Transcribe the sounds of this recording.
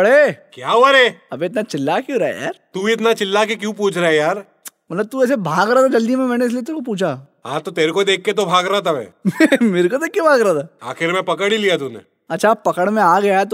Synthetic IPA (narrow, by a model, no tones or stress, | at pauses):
bɐɽekjaːɦoaɾeːɐbʱeɪt̪̬nat͡ʃɪlːakjũɾaɦḛja̰ːɾt̪uːbiɪt̪nat͡ʃɪlːakekjũp̬uːt͡ʃʰɾaɦɛjaːɾ | mɐt̪ləb̚t̪uɛːs̬ebʱaːɡɾaaːt̪ʰad͡ʒɐld̪imẽmɛːneɪs̬lijet̪eːɾkop̬uːt͡ʃʰa | ɦã̰ːt̪ot̪eːɾekod̪eːkʰːet̪̬obʱaːɡɾaat̪ʰabɛ̰̃ːmeːɾekod̪eːkːebʱaːɡɾaat̪ʰaa̰ːxɪɾmɛ̃pɐkəɽilijat̪unḛ | ɐtːʃʰapɐkəɽmẽaːɡɐjaɦɛt̪